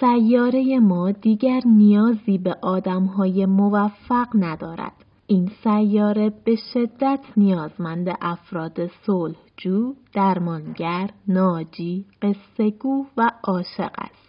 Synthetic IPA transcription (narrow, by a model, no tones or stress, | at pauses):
sæjːɒːɾe̞je̞mɒːd̪iːɟæɾnijɒːziːbeʔɒːd̪æmɦɒːje̞movæfːæɢnæd̪ɒːɾæ̰d̪̥ | ʔiːnsæjːɒːɾe̞b̥e̞ʃe̞d̪ːæt̪ʰnijɒːzmænd̪e̞ʔæfɾɒːd̪e̞solhd͡ʒuːd̪̥æɾmɒːnɟæɾnɒːd͡ʒiːɢ̥e̞sːe̞ɡuːvæʔɒːʃe̞̰ɢæ̰st̪